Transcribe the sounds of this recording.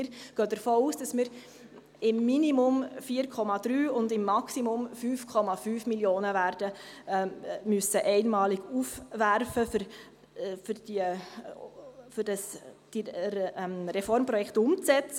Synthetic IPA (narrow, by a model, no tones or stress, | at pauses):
ɾɡ̥œːd̥əɾfoːuːsd̥ɑsmɪɾ | ɪmːinimʊmfiːəɾkʰɔmɑd̥ɾyːʊndɪmːɑksimʊmfyːfkʰɔmɑfyːfmiljoːnəvæːɾd̥ə | mysəʔɛɪnmɑːliɡufvæɾfəfɾ | fʏɾd̥iə | fʏɾd̥ɑsd̥imɾɛfɔɾmpɾɔjɛkʰtʊmt͡st͡sɛt͡s